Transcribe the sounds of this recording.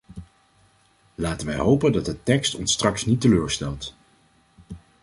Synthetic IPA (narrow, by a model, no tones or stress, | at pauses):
laːtənʋɛjɦowpəndɑd̚dətɛkstɔnstrɑksnitəløːɹstɛlˠt